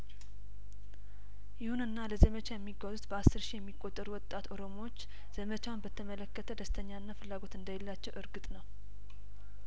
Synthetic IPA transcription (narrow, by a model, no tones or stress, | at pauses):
jɪhunɨnːaləzəmət͡ʃajɛmːiɡːazut̪bəasːɨɾʃijɛmːikʼːo̞t̪ʼːəɾuwɔt̪ʼat̪o̞ɾo̞moot͡ʃː | z̥əmət͡ʃawnbət̪ʰəmələkːət̪ʰəd̪əst̪ʰəɲːaɨnːafɨlːaɡo̞t̪ɨnd̪ajɛlːat͡ʃːɛwʔɨɾɡɨt̪ʼnəw